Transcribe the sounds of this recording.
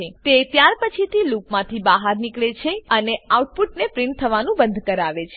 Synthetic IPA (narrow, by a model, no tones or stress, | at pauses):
et̪et̪jaɾpət͡ʃʰit̪ʰilupmãt̪ʰibaɦaɾnikɭet͡ʃʰeəneauʈ̚puʈ̚nepɾɪɳʈ̚t̪ʰəʋanũbənd̪ʱkəɾaʋet͡ʃʰe